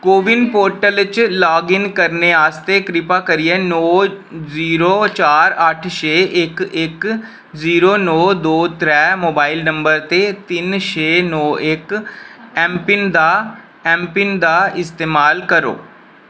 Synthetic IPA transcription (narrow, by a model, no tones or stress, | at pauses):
koːʋɪnpoːɾʈəlɪt͡ʃlaːɡɪŋkəɾneːaːst̪eːkɾɪpaːkəɾiɛːnɔːziːɾoːt͡ʃaːɾəʈʰʃeːʔɪkɪk | ziːɾoːnɔːd̪oːt̪ɾɛːmoːbaːɪlnəmbəɾt̪eːt̪ɪnʃeːnɔːʔɪk | ɛːmpɪnd̪aː | ɛ̃ːmpɪnd̪aːɪst̪eːmaːlkəɾo̰ː